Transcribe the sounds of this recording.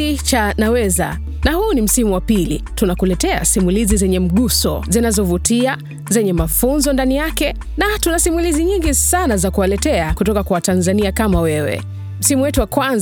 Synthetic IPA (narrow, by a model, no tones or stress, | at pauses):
it͡ʃanawɛza̰ | nahuːnim̩simuwapilḭ | tunakulɛtɛa̰simulizizɛɲɛm̩ɠusɔ̰zinazɔvutia | zɛɲɛmafunzɔndanijakɛ | natunasimuliziɲiŋɡisanazakuwalɛtɛakutɔkakwawatanzaniakamawɛwɛ̰ | m̩simuwɛtuwakwan